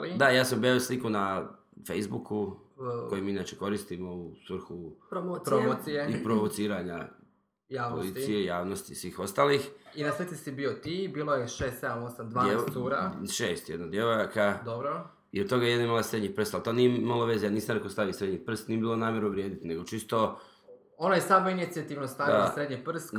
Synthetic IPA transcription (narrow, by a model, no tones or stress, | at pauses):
lid̪ajaːsambeoslikuna | fejzbukʰu | o̞jimiinaːt͡ʃeko̞ɾist̪imo̞usʋr̩ɾxuopɾoosijeipɾoʋot̪siːɾaɲa̰ | jaːʋpolit̪sijejaːʋnost̪isʋiːxo̞st̪aːlixinaset̪isibiot̪ibiːlˠojeʃeːst̪sed̪amosamd̪ʋaːesuɾaʃeːst̪jed̪nod̪jeʋojakad̪obɾo | ḭot̪t̪o̞ɡajeed̪naimalasɾed̪ɲipr̩st̪alt̪onijemalˠoʋe̞zejaniːsamɾekost̪aʋisɾe̞d̪ɲipr̩st̪niːebiːlˠo̞naːmjeɾuʋɾjeːd̪it̪ine̞ɡo̞t͡ʃist̪o̞ | onajesaːmoinit̪siat̪iʋnost̪aʋilasɾed̪ɲipr̩st̪